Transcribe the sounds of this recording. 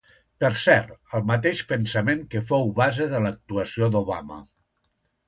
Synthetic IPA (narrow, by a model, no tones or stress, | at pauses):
pəɾsɛɾt̪əlˠmət̪̬eʃpənsəmeŋkəfowβazeðələk̚t̪uəsiod̪oβa̰mə̰